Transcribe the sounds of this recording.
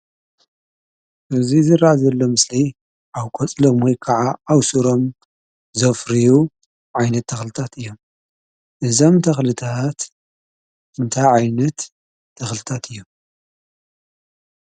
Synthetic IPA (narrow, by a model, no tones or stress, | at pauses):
ʔɨzizɨɾːaʕzɐlːo̞mɨslij | ʔawkʼot͡sʼlomwɔjkʰaʕaawsuɾo̞m | zɐfɾiju | ʕajnɐt̪ʰːɐxlɨt̪ʰat̪ɨjːom | ʔɨzo̞mt̪ʰɐxlɨt̪ʰat̪ | ɨnt̪ʰajʕajnɐt̪ʰː | ɐxlɨt̪ʰat̪ʰɨjːom